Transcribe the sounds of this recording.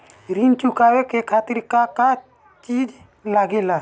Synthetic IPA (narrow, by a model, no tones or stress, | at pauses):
ɾint͡ʃukawekekʰaːt̪ɪɾkaka | t͡ʃiːd͡ʒ | laːɡela